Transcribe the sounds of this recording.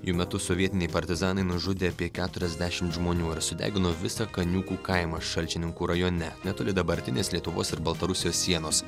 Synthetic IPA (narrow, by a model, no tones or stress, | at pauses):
juːmʲɛt̪ʊsɔʋʲiɛt̪ʲɪnʲɛɪpɐɾʲt̪ʲɪzɑːnɐɪnʊʒʊd̪ʲeːɐpʲiɛkʲæːt̪ʊɾʲɛzʲd̪ʲæːʃʲɪmt̪ʒmoːnʲuːɪɾsʊd̪ʲæ̰ːɡʲɪnoːʋʲɪsɐkɐnʲuːkuːkɐɪmɐʃɐlʲt͡ʃʲɪnʲɪŋkuːɾɐjoːnʲɛnʲɛt̪oːlʲɪd̪ɐbɐɾʲt̪ʲɪnʲeːslʲiɛt̪ʊʋoːsɪɾbɐlˠt̪ɐɾʊsʲɪjoːssːʲiɛnoːs